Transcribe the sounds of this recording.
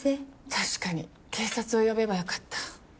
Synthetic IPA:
et̪ʰaɕi̥kaɲ̟i | kʰe̞ːsat͡sɨo̞jo̞be̞bajokḁt̪ːḁ

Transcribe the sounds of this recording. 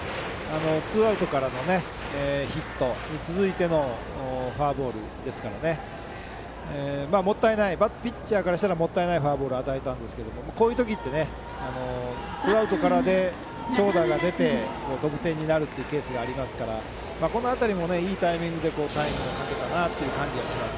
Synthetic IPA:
ano̞t͡sɨːaɯ̟t̪o̞kaɾano̞ne̞ | çit̪ːo̞ɲ̟it͡sɨzɨit̪e̞no̞ | ɸaːbo̞ːɾɯ̟̰ | d̪e̞sɨ̥kaɾa̰ne̞ | maːmo̞t̪ːaenaibat̪ːpʲit͡ɕt͡ɕːaːkaɾaɕi̥t̪aɾamo̞t̪ːaenaiɸaːbo̞ːɾɯ̟at̪ae̞t̪ãnd̪e̞sɨ̥ke̞d̪o̞mo̞mako̞ːjɯ̟ːt̪o̞k̬ʲit̪ːe̞ne̞ | ano̞ | t͡sɨaɯ̟t̪o̞kaɾad̪e̞ | t͡ɕo̞ːd̪aɡad̪e̞t̪e̞ko̞ːt̪o̞pɯ̟̥t̪ẽ̞ɲ̟ːinaɾɯ̟t̪ːeiɯ̟ke̞ːsɨɡaːɾʲimasɨ̥kaɾa̰ | maːko̞no̞at̪aɾʲimo̞ne̞iːt̪aimʲĩŋɡɯ̟d̪e̞ko̞ːt̪aiŋɡɯokake̞t̪anat̪ːe̞iɯ̟kãɲ̟d͡ʑiβaɕimasɨ̥

